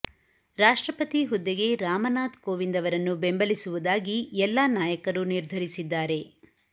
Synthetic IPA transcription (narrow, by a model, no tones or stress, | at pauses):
ɾaːʂʈɾɐpɐt̪iɦud̪ːiɡe̞ɾaːmɐnaːt̪koːʋind̪ɐʋɐɾɐnːubembɐlisuʋud̪aːɡiɛlːaːnaːjɐkɐɾuniɾd̪ʱɐɾisid̪ːaːɾe̞